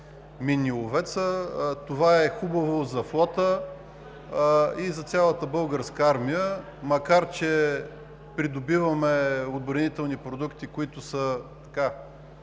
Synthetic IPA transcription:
miniʊvɛt̪sət̪ovaɛxubɐvozɐflˠɔt̪ə | izɐt̪sʲjalˠət̪əbɤlˠɡəɾskəaɾmijə | mɐkaɾt͡ʃɛ | pɾid̪obivɐmɛod̪bɾɐnit̪ɛlˠnipɾod̪ukt̪ikoit̪ʊsət̪ɐ̥ka

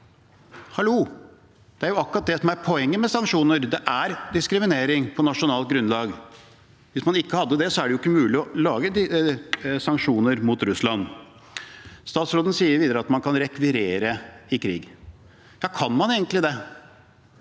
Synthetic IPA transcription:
hɑluː | d̪̥ɛæɾjʊɑkːɾɑt̪̚d̪ɛsɔmæɾpʰɔɛŋːəmɛsɑŋkʂuːnəɾd̪ɛʔæɾd̪ɪskɾɪmɪneːɾɪŋpʰɔnɑʂʊnɑːlt̪̚ɡɾʉnlɑːɡ | ʋɪsmɑnɪkːəhɑd̪ːəd̪ɛsɔæɖɛjʊɪkːəmʉːlɪɔlɑːɡəd̪ɪ | sɑŋkʂuːnəɾmʊt̪ɾʉslɑnː | st̪ɑːt̪sɾoːd̪ən̩siːəɾʋiːd̪əɾəɑt̪mɑnkʰɑnɾɛkʋɪɾeːɾəɪkʰɾḭːɡ | jɑːkʰɑnmɑneːɡənt̪lɪd̪ɛ

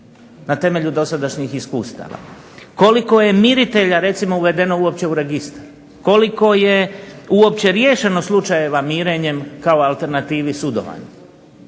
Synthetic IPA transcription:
nat̪e̞me̞ʎud̪o̞sad̪aʃɲixiskuːst̪a̰ːʋa̰ | ko̞liko̞je̞miɾit̪e̞ʎaɾe̞t̪simo̞uʋe̞d̪e̞no̞uo̞p̚t͡ɕe̞uɾe̞ɡist̪aɾ | ko̞liko̞je̞uo̞p̚t͡ɕe̞ɾje̞ːʃe̞noslˠut͡ʃaje̞ʋamiːɾe̞ɲe̞mkaoalˠt̪e̞ɾnat̪iːʋisud̪o̞̰ʋa̰ɲe

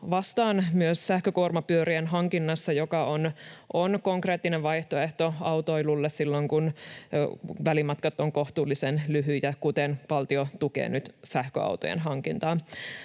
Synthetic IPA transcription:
ʋɑst̪ɑːnmyøssæhkøkuormɑpyøɾienɦɑŋkinːɑsːɑjokɑonʔonko̞ŋkre̞ːt̪ːineʋʋɑjht̪oe̞ht̪oɑwt̪oilulːessilːoŋkun | ʋælimɑt̪kɑt̪ːoŋko̞ht̪uːlːisenlyɦyjɑkut̪enpɑlt̪iot̪ukḛːnyt̪sæhkø̰ɑ̰wt̪ojḛnɦɑŋkint̪ɑː

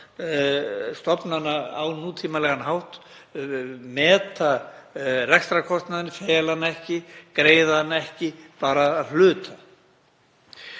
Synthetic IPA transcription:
st̪ɔpnanːaawnuːt̪ʰiːmalɛɣanɦawht̪ | mɛːt̪a | rɛkst̪ɾakʰɔst̪naðɪnɪfeːjalanːaɛhcɪkɾeːjðaðnːaɛhcɪpaːɾaːðl̥ʏːt̪ʰa

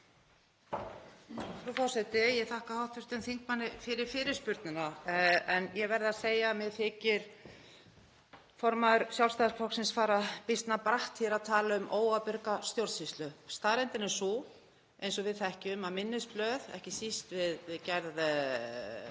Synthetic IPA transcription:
fɾufawsɛt̪ɪjɛθahkahawht̪vʏst̪ʏmθiŋkmanːɪfɪɾɪɾ̥fɪːɾɪɾ̥spʏɾt̪nʏnaɛnjɛvɛɾðaseːjamɛɣθɪːcɪɾ̥ | fɔɾmaðʏɾsjawlst̪aðskʰfɔksɪnsfaːɾapɪst̪napɾaht̪hɛɾaðt̪ʰaːlaʏmʔoːwapʏɾkast̪jowɾðsist̪lœhpst̪aːɾɛnt̪ɪnɛ̥su | ejnsɔvɪðθaɛhcɪʏmamɪnːɪsplœːðɛ̰hcɪsist̪vɪðcɛɾð

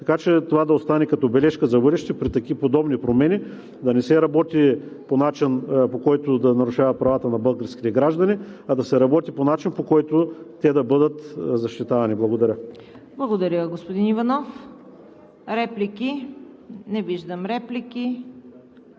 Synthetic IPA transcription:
t̪ɐkat͡ʃɛt̪ovad̪ɐost̪anɛkɐt̪ɔbɛlɛʃkəzɐbɤd̪ɛʃt̪ɛpɾit̪ɐkipod̪ɔbnipɾomɛni | d̪ɐnɛsɛɾɐbɔt̪i | ponat͡ʃinpokɔjt̪ʊd̪ɐnɐɾuʃavɐt̪̚pɾɐvat̪ənɐbɤlˠɡəɾsk̟i̥t̪ɛɡɾaʒd̪ɐniɐd̪ɐsɛɾɐbɔt̪iponat͡ʃinpokɔjt̪ʊt̪ɛd̪ɐbɤd̪ət̪zɐʃt̪it̪avɐniblˠɐɡod̪ɐɾʲə | blˠɐɡod̪ɐɾʲəɡospod̪inivɐnɔf | ɾɛplikʲi | nɛviʒd̪əmɾɛplikʲi

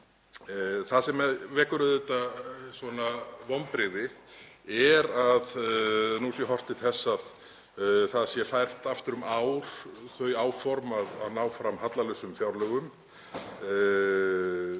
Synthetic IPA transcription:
θasɛmːɛðvɛːkʏɾʏðɛt̪asvɔnavɔwmpɾɪɣðɪ | ɛɾaðnusjɛɦɔr̥t̪ɪθɛsːað | θaðsjɛfajr̥t̪aft̪ʏɾʏmaːwɾ̥θœɥaːwfɔɾmaða̰ðnaːwfɾamhat̪lalœsʏmfjawɾlœɣʏm

